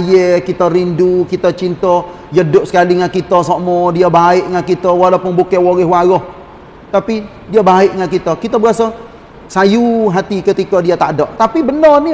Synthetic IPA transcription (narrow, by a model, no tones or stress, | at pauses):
jɛkit̪ərindukit̪ət͡ʃint̪ɔ | jədʊp̚sə̥kaliŋankit̪ɔsomɔdiabaɪʔŋankit̪əwalapʊnbukɛwoɣɪɦwaɾɔh | t̪api | diabaɪʔŋankit̪əkit̪əbəasa | sajuɦat̪ikət̪ikɔdiat̪a̰dɔʔt̪apibənərni